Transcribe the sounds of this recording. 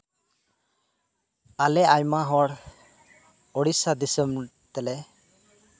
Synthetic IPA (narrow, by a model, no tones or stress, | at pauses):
alɛʔajmaɦɔɽ | ɔɽisad̪isəm | t̪ɛlɛ